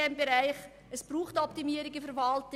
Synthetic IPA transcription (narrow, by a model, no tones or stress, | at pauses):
ɛmbeɾæɪχ | əsb̥ɾuːχtɔptimiːəɾɪɡəfəɾvɑlt